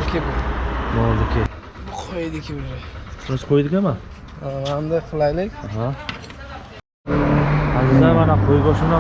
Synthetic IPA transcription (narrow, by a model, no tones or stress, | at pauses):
kʲʰebʊmɒlˠd̪ɪkʲʰɪ | qʰojd̪ɪkʲʰɪʊʒasɾasqʰojd̪ɪkʲʰama | and̪ajqʰɨlˠajlɪkʲaɦa | azɪd̪amanaqʰojɡɒsɪna